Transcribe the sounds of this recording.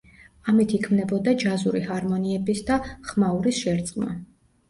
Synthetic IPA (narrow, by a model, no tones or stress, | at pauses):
amit̪ʰikʰmnɛbɔd̪ad͡ʒazuɾihaɾmɔniɛbisd̪aχmauɾisʃɛɾt̪sʼqʼma̰